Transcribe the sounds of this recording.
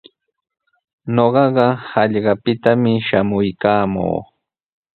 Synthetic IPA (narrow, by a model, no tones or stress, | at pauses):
noɢɑɢɑhɑʎɢɑpɪt̪amɪʃamʊjkaːmo̰ː